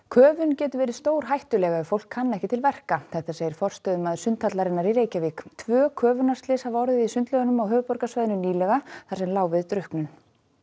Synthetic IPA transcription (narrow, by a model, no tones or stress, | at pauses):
kʰœːvʏncɛːt̪ʏvɛːɾɪðst̪oːwɾ̥ɦajht̪ʏlɛːɣaɛðfowl̥kʰːanːɛhcɪt̪ʰɪlvɛr̥kaθɛht̪aseːjɪɾ̥fɔr̥st̪œːðʏnmaðsʏnt̪ʰːat̪laɾɪnaɾiɾeːjcaviːkt̪ʰvœːkʰœːvʏnar̥st̪lɪshavɔɾðɪisʏnt̪lœɣʏnʏmawɦœːvʏpɔɾkasvajðɪnʏniːlɛɣaθaɾ̥sɛmlaːwvɪðt̪ɾʏhknʏn